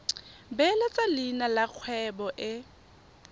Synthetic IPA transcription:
bɛlɛt͡sʼalinalak͡xʰwɛbɔʔɪ

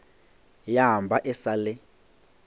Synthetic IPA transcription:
jambʱaʔɛsalɛ

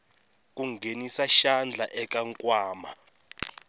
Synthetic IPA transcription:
k̬ʼuŋɡʱenisaʃand͡ɮʱaʔɛk̬ʼaŋkʼwaːma̰

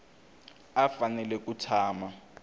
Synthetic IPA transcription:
afanɛlɛk̬ʼutʰaːma

